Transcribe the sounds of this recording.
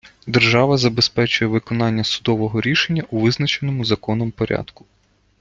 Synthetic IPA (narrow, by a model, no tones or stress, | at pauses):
d̪erʒɑʋɐzɐbespɛt͡ʃʊjɛʋɪkɔnɑnʲːɐsʊd̪ɔʋɔɦɔɾʲiʃenʲːɐʔuʋɪznɐt͡ʃenɔmʊzɐkɔnɔmpɔɾʲɑ̰d̪̥kʊ̥